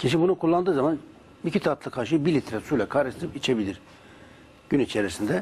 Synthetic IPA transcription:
cʰeʃibunukʰulˠːand̪ɯːzaman | icʰit̪ʰaːt̪lˠɯkʰaɾʃɯjɯbilʲit̪ʰɾɛsujlʲˠakʰaɾesɾipit͡ʃʰebilʲiɾ | ɟ̥ynit͡ʃʰe̞ɾisind̪ɛ

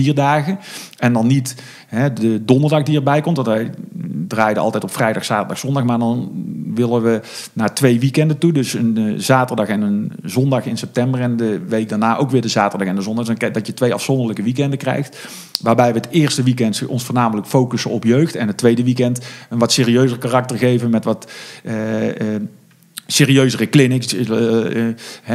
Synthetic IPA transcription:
iːɹdaːɣənɛndɑnːit | ɦɛdədɔndərdɑxdiəɹbɛjkɔmttʋɛjdraːjdəʔɑ̰lˠtɛjtɔpfrɛjdɑxsaːtərdɑxsɔndɑxmaːɹdɑnʋɪlənʋə | naːɹtʋejʋikɛndəntudɵsənzaːtərdɑχɛnənzɔndɑxɪnsɛp̚tɛmbərɛndəʋejk̚daɹnaːʔowkʋɪːɹdəzaːtərdɑxɛndəzɔndɑxɛdɑtjətʋejɑ̰fsɔndəɹləkəʋikɛndəkrɛ̰jxt | ʋaːɹbɛjʋəətɪːɹstəʋikɛntɔ̰nsfoːnaːmələkfowkəsənɔpjøɥxtɛnɦətːʋejdəʋikɛntənʋɑtseːriøɥzərəkarɑk̚tərɣejvənmɛtʋɑt | seːriøɥzərəklɪnɪks | ɦɛ

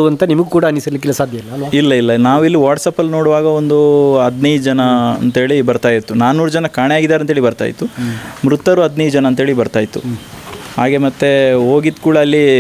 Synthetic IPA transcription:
uʋɐnt̪ɐnimɐɡukuːɽɐɐnisɐlik̬ilːɐsaːd̪ʱjɐilːɐːlʋailːɐilːɐnaːʋilːiʋaːʈsɐpɐlnoːɽuʋaːɡɐond̪uɐd̪nɐjd͡ʒɐnɐ̰ːnt̪ɦe̞ːɭibɐɾt̪aːjiɾt̪ːunaːnuːɾud͡ʒɐnɐkaːɳejaːɡid̪aːɾɐnt̪eɭibɐɾt̪a̰ːjḭt̪ːumɾut̪ːɐɾuɐd̪nɐjd͡ʒɐnɐːnt̪ɦeɭibɐɾt̪aːjt̪ːṵ | ɦa̰ːɡemɐt̪ːe̞oːɡid̪kuːɽɐːlːi

